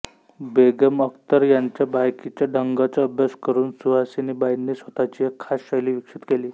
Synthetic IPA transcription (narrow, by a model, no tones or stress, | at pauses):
beɡəməkt̪əɾjaɲt͡ɕjabajkit͡ɕjaɖʱəŋɡat͡saəbjaskəɾuːnsuɦasinibajnːiːsʋət̪at͡ɕiːekʰːasɕajliːʋikʂit̪keliː